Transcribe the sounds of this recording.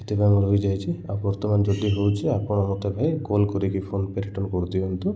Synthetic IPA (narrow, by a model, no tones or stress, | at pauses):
et̪epajmɔɾobid͡ʒajt͡ʃʰiabɔɾt̪ɔmand͡ʒɔd̪iɦowt͡ʃʰeapɔɳɔmɔt̪ebʱajɡolkɔɾikipʰonpeɾiʈɔnkɔɾd̪ibent̪u